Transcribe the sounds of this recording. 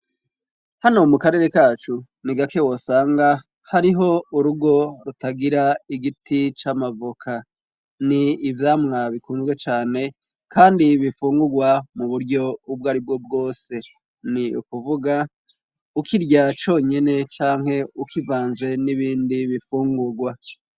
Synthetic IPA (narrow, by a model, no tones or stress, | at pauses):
hano̞mukaɾe̞ɾe̞kaːt͡ʃu | niɡake̞wo̞saːŋɡa | haɾiɦo̞uɾuɡo̞ɾutaɡiɾaiɡitit͡ʃamavukʰa | niːvjaːmŋaβikuːnzwe̞t͡ʃaːne̞ | kʰaːndiβifuːŋɡuɡwamuβuɾɟo̞ubɡaːɾib̚ɡo̞b̚ɡo̞ːse̞ | niṵkuvuɡa | ukʰiɾɟat͡ʃo̞ːɲene̞t͡ʃaːŋ̥he̞ukivaːnze̞niβiːndiβifuːŋɡuɡwa